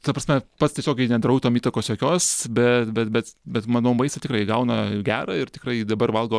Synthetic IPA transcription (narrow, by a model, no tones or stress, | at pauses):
t̪ɐprɐsʲmʲɛpɐt̪st̪ʲiɛsʲoːkʲɛɪnʲɛd̪ɾɐʊt̪oːmiːt̪ɐkoːsjoːkʲoːsbʲɛt̪bʲɛt̪̚bʲɛt̪bʲɛt̪mɑnoːmɐɪst̪ɐtʲɪkrɐɪɡɐʊnɐɡʲæːɾɐɪrt̪ʲɪkrɐɪd̪ɐbɐrʋɐlˠɡoː